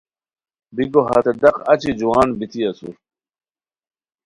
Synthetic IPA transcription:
bikoɦɐ̰t̪ed̪ɐqɐt͡ɕid͡ʑuwaːnbit̪iɐsṵɾ

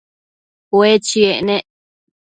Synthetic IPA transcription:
wet͡ʃieneʔ

